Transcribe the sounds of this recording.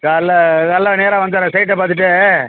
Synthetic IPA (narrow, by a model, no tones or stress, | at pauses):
kaːlːɐkɐlːãːneːɾãːʋɐnd̪aɾãsɐɪʈːɐpaːɾt̪ɯʈ̬ːɯ